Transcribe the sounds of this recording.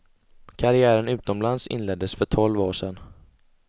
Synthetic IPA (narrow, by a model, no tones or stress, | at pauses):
kʰaɾɪæːɾənʉ̟ːt̪ɔmlansɪ̰nlɛd̪ːəsfœʈʰɔlvoːʂɛn